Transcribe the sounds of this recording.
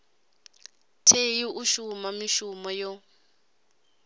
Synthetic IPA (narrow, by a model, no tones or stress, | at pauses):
tʰejiʔuʃumamiʃumɔjɔ